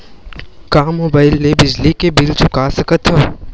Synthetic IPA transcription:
kaːmoːbaːɪlːebɪd͡ʒlikebɪlt͡ʃʰʊkaːsɐkət̪ɦoː

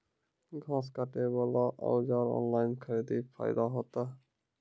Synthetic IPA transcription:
ɡʱãːskaʈebəlaʔɔ̰wd͡ʒaːɾɔ̰ːnlaːjnkʰəɾid̪ipʰa̰jd̪aɦot̪a

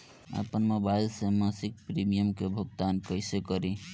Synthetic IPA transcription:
a̰pənmobajlsemasik̚pɾimijəmkebʱoɡt̪ankʌjsekɔɾi

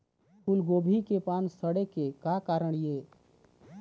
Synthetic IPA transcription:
kʰulɡoːbʱikepaːnsəɽekekakaːɾəɳeː

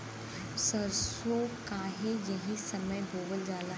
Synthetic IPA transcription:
sɐɾsokaːɦejɐɦĩsɐməjbʱoːʋəld͡ʒaːla

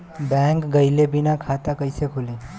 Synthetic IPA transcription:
bɛ̃ːŋkɡɐɪlebɪnakʰaːt̪akɐisekʰʊleː

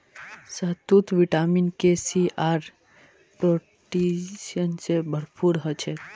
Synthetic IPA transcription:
sət̪ut̪ʋiʈaminkesiaɾ | pɾo | ʈisənsebʱəɾpuɾɦət͡ʃʰɛt̪

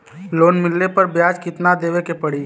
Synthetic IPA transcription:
loːnmɪlːepɐɾbjaːd͡ʒkɪt̪nad̪eːʋekepɐɽiː

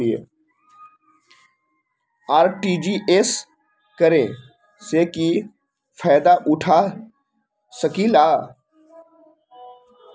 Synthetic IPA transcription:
iḛː | aːɾʈiːd͡ʒiːʔes | kəɾẽ | seki | fʰaːd̪aʔʊʈʰaː | səkilaː

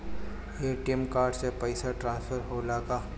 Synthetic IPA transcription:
eːʈiemkaːɾɖsepɐɪsaʈɾãːnsfʰəɾɦoːlaːkaː

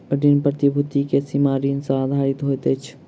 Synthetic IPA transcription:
ɖinpɾət̪ibʱut̪ikesimaɾinsə̃ad̪ʱaɾit̪ɦojt̪əjt͡ʃʰ

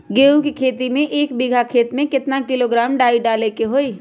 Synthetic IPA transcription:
ɡeːukikʰeːt̪imẽʔeːkbiɡʱakʰeːt̪mẽkɪt̪nakɪloɡɾaːmɖaːiɖaːlekeɦoːiː

